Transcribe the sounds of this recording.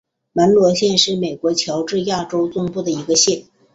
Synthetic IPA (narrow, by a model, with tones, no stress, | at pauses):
mə˧˥nlwɔ˧˥ɕjɛ˥˧nʂɻ̩˥˩me˨˩ɪkwɔ˧˥t͡ɕʰjɑ˧˥ʊʈ͡ʂɻ̩˥˧ja˥˩ʈ͡ʂo˥ʊt͡sʊ˥ŋpu˥˩d̪ə˩i˧˥ɡə˧ɕjɛ˥˩n